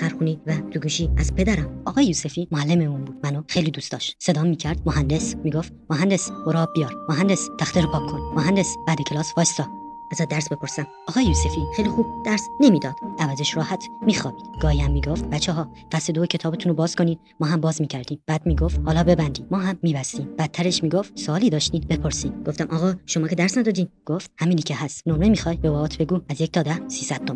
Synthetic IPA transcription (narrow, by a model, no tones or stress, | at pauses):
xæɾxuniːvæt̪ʰuɡuːʃiːæzpʰe̞d̪æɾæmʔɒːɣɒːjejuːsefiːmoælːemeuːnbuːd̪mænoxejliːd̪uːst̪ɒːʃt̪se̞d̪ɒːmːiːcʰæɾd̪moɦænd̪esmiːɡo̞ftmoɦænd̪esboɾɒːbbːijɒːɾmoɦænd̪est̪ʰæxt̪eɾopʰɒːkʰːonmoɦænd̪esb̥æd̪ecʰe̞lɒːsfɒːst̪ɒː | æzæd̪æɾsbe̞pʰoɾsæm | ɒːɣɒːjejuːsefiːχejlixuːb̥̚d̪̥æɾsnemiːd̪ɒːd̪̥ævæzeʃɾɒːhæt̪ʰmiːxɒːbiːd̪̥ɡ̥ɒːhiːhæmːiːɡo̞ft̪̚bæt͡ʃʰːɛɦɒː | fæst̪ed̪oecʰe̞t̪ʰɒːbet̪ʰuːnobɒːz̥kʰo̞niːd̪ | mɒːɦæmbɒːzmiːcʰæɾd̪̥iːmb̥æːd̪miːɡo̞ft̪hɒːlɒːbe̞bænd̪iːmɒːɦæmːiːbæsiːmb̥æt̪ʰːæɾeʃmiːɡoft̪soɒːliːd̪ɒːʃt̪iːd̪be̞pʰo̞ɾsiːd̪ɡo̞ft̪æmʔɒːɣɒːʃomɒːkcʰe̞dæɾsnæd̪ɒːd̪iːd̪ɡ̥oft̪hæmiːnicʰeɦæst̪nomɾemixɒːjbevɒɒːt̪ʰb̥e̞ɡuːæzjec̚ʰt̪ɒːd̪æsiːsæd̪ːom